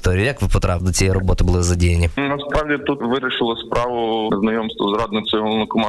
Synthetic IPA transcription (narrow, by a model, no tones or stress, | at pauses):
t̪ɔɾʲijʊjɐkʋɪpɔt̪ɾɑpd̪ɔt͡sʲijɛjrɔbɔt̪ɪbʊlˠɪzɐdʲijɐnʲinɐspɾɑʋdʲit̪ut̪ʋɪɾʲɪʃɪlˠɔspɾɑʋʊznɐjɔmst̪ʋɔzrɑd̪nɪkt͡s̪ʲɔɔlˠnʊkɔmɑ